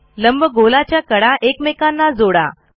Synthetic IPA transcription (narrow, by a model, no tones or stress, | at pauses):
ləmbʱəɡolat͡ɕjakəɽaʔekmekanːad͡zoɽa̰